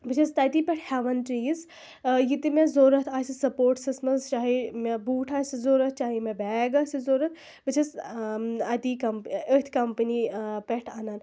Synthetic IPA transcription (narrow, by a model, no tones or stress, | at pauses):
bɨt͡ʃʰɐst̪ɐt̪ipeʈʰhɛʋɐnʈɾiːz | jit̪imezoːɾɐt̪ʰaːsisɐpoːɾʈsɐsmɐzt͡ʃaːɦimebuːʈʰaːsizoːɾɐt̪̚ʰt͡ʃaːɦimebɛːɡaːsizoːɾɐt̪̚ʰ | bɨt͡ʃʰɐs | ɐt̪ikɐmpət̪ʰkɐmpənipʲeʈʰaːnan